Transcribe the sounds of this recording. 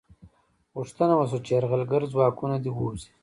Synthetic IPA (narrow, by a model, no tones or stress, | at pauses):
ɣuʂt̪anawas̬ot͡ʃeɾɣalɡəɾzwaːkunad̪iwuːzi̥